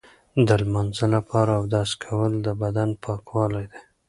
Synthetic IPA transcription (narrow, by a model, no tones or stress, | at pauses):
d̪əlmɑnzəlapʰɑɾaːwd̪askʰawəld̪əbad̪anpʰɑkwɑlajd̪e